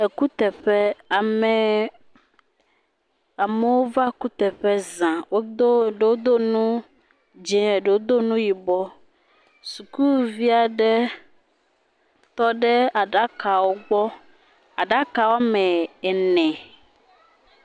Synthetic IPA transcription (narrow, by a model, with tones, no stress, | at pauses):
e˨ku˦t̪ɛ˨ɸe˦a˨me˨ | a˨me˨wo˦va˦ku˦t̪ɛ˨ɸe˦zã˨wo˦d̪o˦ɖe˨wo˦d̪o˦nũ˦ | d͡ʒɛ̃˨ɖe˨wo˦d̪o˦nũ˦ji˨bɔ˦ | su˨ku˦vi˦a˨ɖɛ˦ | t̪ɔ˦ɖe˦a˨ɖa˦ka˨wo˦ɡ͡bɔ˦ | a˨ɖa˦ka˨wo˦mɛ̃˨ɛ˨nɛ̃˨